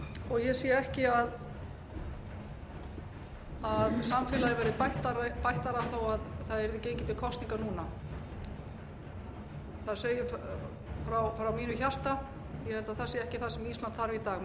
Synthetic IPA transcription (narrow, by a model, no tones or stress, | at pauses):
ɔɣjɛsiːɛhcɪað | aðsamfɪːlaðɪvɛɾðɪpajht̪aɾpajht̪aɾaθowaðθaðɛɾðɪceːjcɪt̪ɪlkʰɔst̪niŋkanuːna | θaðseːjʏ | fɾawfɾawmiːnʏçar̥t̪a | jɛhɛlt̪aðθḁsiːɛhcɪθasɛmiːsmant̪θaɾvit̪aːɣ